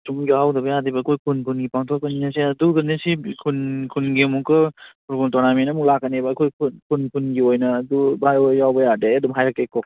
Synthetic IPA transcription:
tuŋjawdɐbɐjadibɐkʰojpʰunpʰunɡipaŋtʰɔkɐninɐsiɐduɡɯnesikʰunkʰunɡemukɯpʰuɾbuntɔnamenɐmuklakːɐnebɐːkʰojpʰunpʰunpʰunɡiojnɐːdubajojawbɐjadeɐdumɦajɾakːekɔ

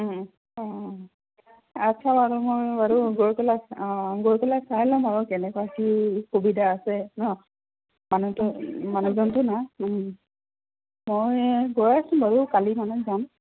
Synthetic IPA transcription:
atːʃʰabaɹumojbaɹuɡoɹkɛlaɡoɹpɛlasalɔ̃maɹukɛnɛkwakikobidaːsɛnɔ | manutumanuzɔntʊna | mojɡojasũmbaɹukalimanɔzam

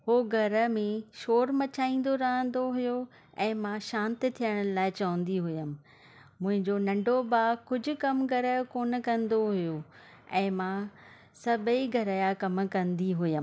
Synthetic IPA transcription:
hoːɡʱɐɾəmẽʃoːɾmɐt͡ɕʰaːĩːn̆d̪oɾɐɦə̃nd̪oɦʊjo | ɛ̃ːmãʃãːnt̪ɪt̪ʰijəɽ̃̆laːɪt͡ɕɐʋə̃nd̪iɦʊjəmɪ̆ | mʊ̃ɦɪ̃ɲd͡ʑonɐ̃ɳɖʱobaːkʊd͡ʑʱʊ̆kɐmɡʱɐɾəkoːnə̆kɐ̃nd̪oɦʊjo | ɛ̃ːmã | sɐbʱiɡʱɐɾajakɐm̆kɐ̃nd̪iɦʊjəm

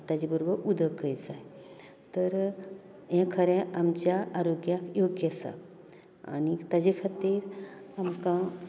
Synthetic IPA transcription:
t̪ad͡ʑibəɾobəɾʔud̪əkəjd͡zaj | t̪əɾ | jɛ̃kʰəɾɛ̃ʔamt͡ɕjaʔaɾoɡjakjoɡjəsa̰ | a̰nit̪ad͡ʑikʰat̪iːɾamkã

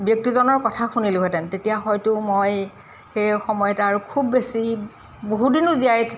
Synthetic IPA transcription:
biɔk̚tizɔnɔɹkɔtʰaxuniluɦɛtɛntetijaxɔjtʊmoj | xejxɔmɔjɛtaɹukʰubːesi | boɦudinʊziajtʰ

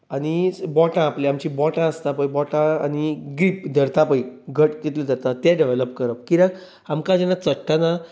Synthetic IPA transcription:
añibɔʈãːpleamt͡ɕibɔʈãəst̪ãpəjbɔʈãa̰niɡɾiːpd̪ʱəɾt̪apəjɡʱəʈkit̪led̪əɾt̪ãt̪jɛɖeʋeləpkəɾəp̚kiɾãk | amkãd͡ʑɛnat͡səʈʰːana

